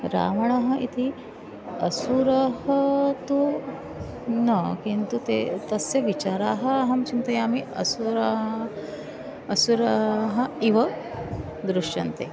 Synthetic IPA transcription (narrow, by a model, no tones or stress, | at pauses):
ɾa̰ːʋɐɳaɦɐ̆ʔit̪ʰi | ɐ̰suɾɐɦɐt̪u | nɐkint̪ut̪ḛːt̪ɐsjɐʋit͡ʃaːɾaːɦɐaɦɐmt͡ʃint̪ɐjaːmiɐ̰suɾɐ | suɾɐɦɐ̆iʋɐ | d̪ɾuʂjɐnt̪ḛː